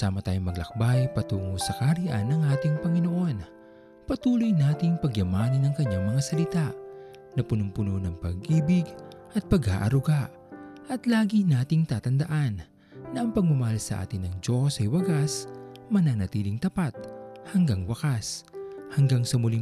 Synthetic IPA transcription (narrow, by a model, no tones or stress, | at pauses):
saːmɐt̪aːjoŋmɐɡlɐ̰k̚bajpɐt̪uːŋosɐkaɾɪʔanːɐŋʔaːt̪ɪŋpɐŋɪnoʔo̞n | pɐt̪uːlojnaːt̪ɪŋpɐɡjɐmaːnɐnɐŋkɐɲːaŋmɐŋasɐlɪt̪aʔ | nɐpʊnʊmpʊnonɐŋpɐɡʔiːbɪɡʔɐt̪̚pɐɡa̰ːʔɐɾʊɡaʔ | ʔɐt̪laːɡinaːt̪ɪŋt̪aːt̪ɐnd̪ɐʔanː | ɐʔɐŋpɐɡ̚mɐmɐhalsɐ̰ʔa̰ːt̪ɪnːɐŋd͡ʒo̞sɐjwɐɡasmɐnanɐt̪iːlɪŋt̪ɐpat̪̚hɐŋɡaŋwɐkashɐŋɡaŋsɐmʊli